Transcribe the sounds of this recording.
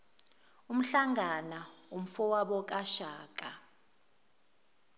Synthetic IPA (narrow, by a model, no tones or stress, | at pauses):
um̩ɬaŋanaum̩fɔwaɓɔk̬ʼaʃaːk̬ʼa